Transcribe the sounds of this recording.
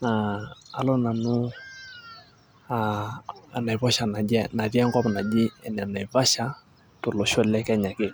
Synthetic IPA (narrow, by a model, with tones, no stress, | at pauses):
na˨a˨lɔ˦na˨nʊ˦ | aː˨ | na˨βɔ˦ʃa˨na˨ɛ˦na˨ɾja˦ŋkɔ˦bna˨d͡ʒɪ˦ɛ˨na˨na˨i˨βa˦ʃa˦ | to˨lo˨ʃɔ˦˨lɛ˦kɛ˦ɲa˨kɪ˦˨